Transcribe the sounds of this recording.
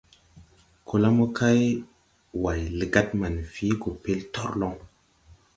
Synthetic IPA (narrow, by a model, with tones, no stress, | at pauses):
kʰo˨la˦mo˦kʰa˦j | wa˨jlə˨ɡa˦t̚ma˨nfi˨˦ɡo˨pe˦ltɔ˦ɾlɔ˦ŋ